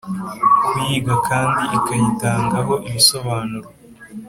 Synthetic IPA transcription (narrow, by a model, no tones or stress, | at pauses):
kujiːɡakʰaːndiʔikajitaːŋɡaɦo̞ʔimiso̞βaːnuɾo